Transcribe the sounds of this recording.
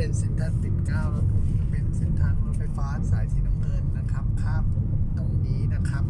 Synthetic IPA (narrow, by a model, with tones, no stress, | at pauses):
e˧nse˦˥˩nt̪ʰaː˧˥nt̪i˨˩tkaː˧˩wlaː˧˩p̪ʰu˧˩˧pe˨˧nse˦˥˩nt̪ʰaː˧˥nluː˧˦nfa˧jfaː˦˧˥ʔa˧nsaː˩˦jt̪ʰiː˧˩na˧˥˧mkɤ˧˩nːa˦˧˥kʰa˦˥p̚kʰaː˧˥˩mo˨˦t̪o˧˩ŋniː˧˥na˦˥kʰa˦˥p̚